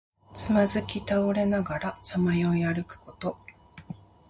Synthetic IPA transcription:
t͡sɨmazɨkʲit̪aoɾe̞naɡaɾasamajo̞jaɾɯ̟kɯ̟̥ko̞t̪o̞

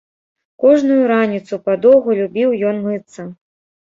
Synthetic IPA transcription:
kɔʐnujuɾanʲit̪supad̪ɔwɣulʲubʲiwjɔnmɨt̪sɐ

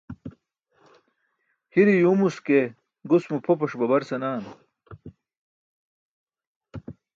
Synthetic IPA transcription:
hiɾijuːmuske | ɡusmupʰopɐʂbɐbɐɾsɐnaːn

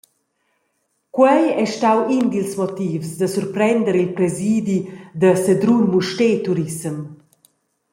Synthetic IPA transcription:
kwɛjɛʃtawind̪ilsmɔt̪iːvsd̪əsuɾpɾɛnd̪əɾilpɾɛziːd̪id̪əsəd̪ɾunmuʃtet̪uɾisəm

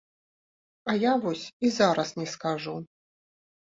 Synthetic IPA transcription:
ɐjavɔsʲizaɾɐsnʲɛskaʐu

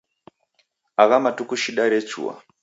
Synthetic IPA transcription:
aβamatukuʃiɗaɾet͡ʃʰṵwa̰

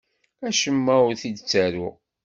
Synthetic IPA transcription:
æʃəmːæʊɾθid̪t͡sːæɾʊ

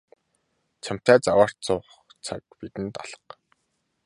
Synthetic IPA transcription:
t͡ɕʰam̥t̪æːt͡sawaːr̥t̪t͡sʊːχ | t͡sʰa̰k̚pit̪ɘ̆nt̪ɔ̰ɮə̥̆q

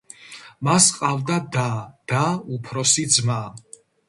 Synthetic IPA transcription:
masqʼavd̪ad̪ad̪̥aupʰɾɔsid̪zma

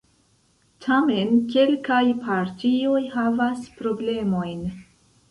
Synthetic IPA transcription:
tʰame̞nke̞lkajpʰaɾtio̞jhavaspɾo̞ble̞mo̞jn

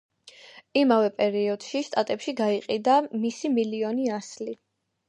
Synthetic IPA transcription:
imavɛpʼɛɾiɔd̪̥ʃist̪ʼat̪ʼɛpʃiɡaiqʼid̪amisimiliɔniasli

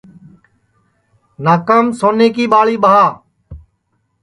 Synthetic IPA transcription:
naːkəmsoːneːkiːɓaːɭiːɓəɦaː

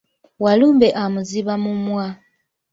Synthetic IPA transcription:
waluːmbeʔamuziβamumwa

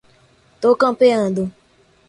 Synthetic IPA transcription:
tokãpeãdo

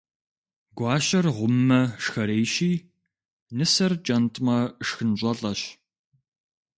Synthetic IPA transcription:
ɡʷɑːɕɐrʁʷʊmːɐʂxɐɾeːjɕiː | nɨsɐrt͡ʃʼɐntʰʼmɐʂxɨnʑʷʼɐɮʼɐɕ

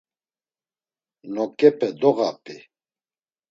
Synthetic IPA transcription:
nɔkʼɛpʰɛd̪ɔɣapʰʼi

